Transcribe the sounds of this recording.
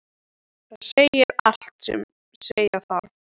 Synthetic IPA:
θaðseːjɪɾa̰l̥t̪sɛ̰m | sejaθal

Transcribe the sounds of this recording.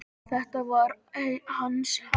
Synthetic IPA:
θɛht̪avaɾehanːs

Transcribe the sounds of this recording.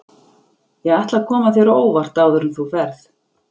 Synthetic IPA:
jɛaht̪lakʰɔːmaθjɛɾoːwvaɾ̥t̪aːwðʏɾʏmθufɛɾθ

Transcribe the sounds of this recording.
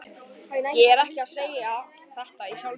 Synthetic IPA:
anajɛɛɾɛhcɪaðseːja | θɛht̪aisjawl

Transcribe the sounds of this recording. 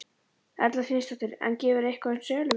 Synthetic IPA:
ɛ̰ɾt̪laðfɪnst̪aht̪ɪɾɛ̰ncɛːvɪɾehkansœːlʏ

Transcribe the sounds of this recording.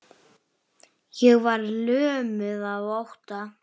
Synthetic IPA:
jɛɣvaɾlœːmʏðaðowht̪a

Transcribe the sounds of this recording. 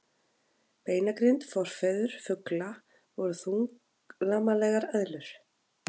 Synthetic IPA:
peːjnakɾint̪fɔɾ̥fɛðʏɾ̥fʏkla | vɔɾʏθuŋk | lamalɛːɣaɾœðlʏɾ̥

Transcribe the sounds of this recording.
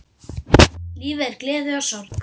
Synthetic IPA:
liːvɛɾklɛːðʏɔsɔɾt̪

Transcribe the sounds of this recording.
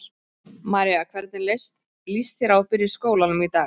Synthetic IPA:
maːɾiakʰvɛɾt̪nɪlest̪ | list̪θjɛɾawfɪɾɪskoːwlanʏmit̪aːɣ

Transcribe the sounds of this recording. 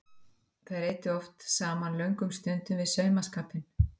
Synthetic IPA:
θaɾeːjt̪ɪɔft̪saːmanlœɥŋkʏmst̪ʏnt̪ʏvɪðsœːɥmaskaːpɪn

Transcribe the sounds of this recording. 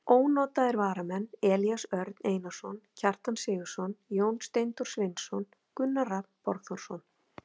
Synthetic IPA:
oːwnɔːt̪aðɪɾvaːɾamɛnːɛːljasœɾt̪neːjnasɔncʰar̥t̪ansɪːɣʏ̥sɔnjoːwnst̪ejnt̪uɾ̥svɪnsɔn | kʏnːarapɔɾɣθɔr̥sɔn

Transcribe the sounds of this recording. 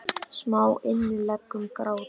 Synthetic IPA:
smaːwɪnːʏlɛkːʏmkɾaːw

